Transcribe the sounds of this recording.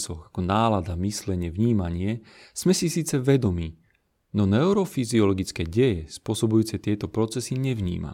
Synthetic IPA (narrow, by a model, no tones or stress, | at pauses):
sɔɣakɔnaːlad̪amislɛɲɪɛvɲiːmaɲɪɛ | z̥mɛsisiːt͡sɛʋɛd̪ɔmiː | nɔnɛuɾɔfiziɔlɔɡit͡skɛːɟɛjɛspʊɔsɔbujuːt͡sɛt̪ɪɛt̪ɔpɾɔt͡sɛsiɲɛʋɲḭːma̰